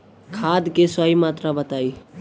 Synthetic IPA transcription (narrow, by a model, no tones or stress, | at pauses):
kʰad̪kesəɦimat̪ɾabət̪aj